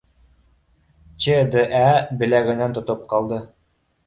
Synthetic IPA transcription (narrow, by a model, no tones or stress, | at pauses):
t͡ɕed̪ɤʔæbɘ̆læɡɘ̆nænt̪ŏt̪op̚qɑlˠd̪ɤ